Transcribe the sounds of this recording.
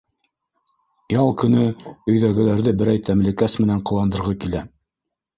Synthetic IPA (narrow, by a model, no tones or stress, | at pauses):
jɑlˠkɵ̆nɵɵ̆jðæɡɘ̆læɾðɘbɘ̆ɾæjt̪ʰæmlɘ̆kæsmɘ̆næɴqɤ̆lˠɑnd̪ɤ̆ɾʁɤkilæ